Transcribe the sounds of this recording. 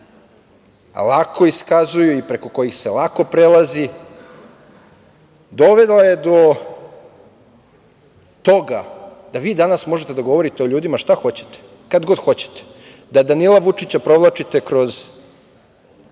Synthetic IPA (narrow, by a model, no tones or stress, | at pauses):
a̰lˠakʰo̞iskazujuipɾe̞ko̞ko̞jixse̞lˠako̞pɾelˠazi | d̪oʋe̞d̪lˠaje̞d̪o̞ | t̪o̞ɡad̪̥aʋiːd̪anasmo̞ʒet̪e̞d̪aɡo̞ʋo̞ɾit̪e̞oʎuːd̪imaʃt̪axo̞t͡ɕe̞̥t̪e̥ | kad̪ɡo̞d̪xo̞t͡ɕe̥t̪e̥ | d̪ad̪anilˠaʋut͡ʂit͡ɕapɾo̞ʋlˠat͡ʃit̪e̞kɾo̞z